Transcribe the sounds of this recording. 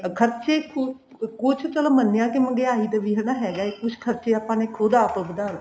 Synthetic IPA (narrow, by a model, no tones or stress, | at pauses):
kʰəɾt͡ʃeːkʰʊ | kʊt͡ʃʰt͡ʃəlaːmənːejãːkɪməɡeːaːɦiːt̪əʋiːɦənaːɦɛːɡaːekʊt͡ʃʰkʰəɾt͡ʃeːapãːneːkʰoːd̪aːpəbəd̪aː